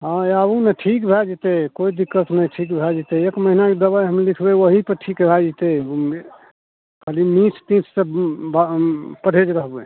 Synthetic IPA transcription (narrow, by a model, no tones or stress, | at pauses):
ɦãabũnəʈʰikbʱɛd͡ʒet̪ekoid̪ikːət̪nəʈʰikbʱɛd͡ʒit̪eekməɦinaked̪əβajɦəmlikʰbewəɦipəʈʰikbʱad͡ʒit̪e | kʰalimĩt͡ʃʰt̪ĩt͡ʃʰsebpəɽ̤ʱed͡ʒɾəɦbe